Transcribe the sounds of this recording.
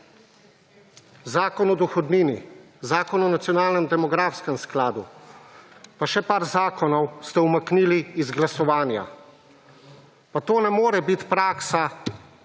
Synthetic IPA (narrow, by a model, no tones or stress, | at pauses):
zaːkɔnɔd̪ɔxɔd̪niːni | zaːkɔnɔnat̪sijɔnaːlnɛmd̪ɛmɔɡɾaːfskɛmsklaːd̪ṵ | paʃɛpaːɾzaːkɔnɔwst̪ɛumakniːliːzɡlasɔʋaːnja̰ | pat̪oːnɛmoːɾɛbit̪pɾaːksa